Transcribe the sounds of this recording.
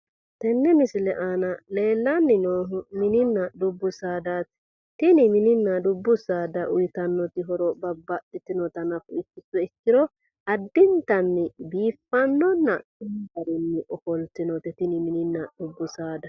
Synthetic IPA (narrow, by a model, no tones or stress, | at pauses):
t̪ɛnːɛmɪsɪlɛʔanɐle̞ːlːɐnːɪnoːɦʊmɪnɪnːɐd̪ʊbːʊsaːd̪at̪ | t̪ɪnɪmɪnɪnːɐd̪ʊbːʊsaːd̪ɐʔʊjt̪ɐnːɔt̪ɪɦɔɾɔbɐbːɐʔɪt̪ːɪnɔt̪ɐnɐfʊɪkːɪsɔɪkːɪɾɔ | ɐd̪ːɪnt̪ɐnːɪbiːfːɐnːɔnːɐkɪnɡɐɾɪnːɪʔɔfɔlt̪ɪnɔt̪ɪt̪ɪnɪmɪnɪnːɐd̪̥ʊbːʊsaːd̪ɐ